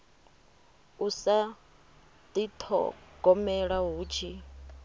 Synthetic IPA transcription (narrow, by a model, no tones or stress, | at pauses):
usa | d̪it̪ʰɔ̰ɡ̥ɔmɛɺaɦuːt͡ʃʰi